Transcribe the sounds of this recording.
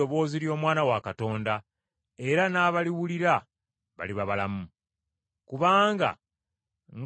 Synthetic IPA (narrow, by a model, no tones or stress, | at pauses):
oβo̞ːziɾjo̞ːmwaːnawakato̞ːnda | e̞ɾanaːβaliwuliɾa | βa̰liβaβalamu | kuβaːŋɡa̰ | ŋ